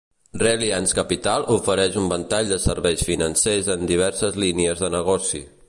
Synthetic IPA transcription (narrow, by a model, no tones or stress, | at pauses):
relianskəpit̪alˠufəɾɛʃumbənt̪aʎd̪əsəɾβɛjsfinənsezənd̪iβ̞ɛɾsəzliniəzðənəɣɔsḭ